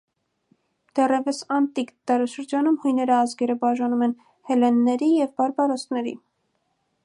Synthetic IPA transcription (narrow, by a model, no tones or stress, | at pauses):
d̪̥ɛrɛvəsɑnt̪ikd̪ɑɾɑʃəɾd͡ʒɑnumhujnɛɾəːzɡɛɾəbɑʒɑnumɛn | hɛlɛnːɛɾijɛvbɑɾbɑɾɔst̪nɛɾḭ